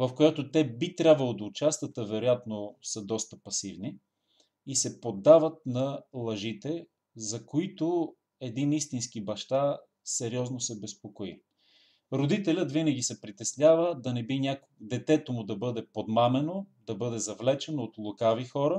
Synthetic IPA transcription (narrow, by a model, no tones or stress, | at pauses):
vɐfkojat̪ʊt̪ɛbit̪ɾʲjabvəlˠod̪ɐʊt͡ʃast̪ət̪əvɛɾojat̪nosəd̪ɔst̪əpɐsivniː | sɛpod̪ːavət̪̚nɐlˠɐʒit̪ɛ | zɐkoit̪o | ɛd̪inist̪insk̟ibɐʃt̪a | sɛɾiɔznosɛbɛspokoḭ | ɾod̪it̪ɛlʲət̪vinɐɡ̟ʲisɛpɾit̪ɛslʲavəd̪ɐnɛbinʲak | d̪ɛt̪ɛt̪omʊd̪ɐbɤd̪ɛpod̪mamɛnod̪ɐbɤd̪ɛzɐvlɛt͡ʃɛnoːt̪lˠokavixɔɾə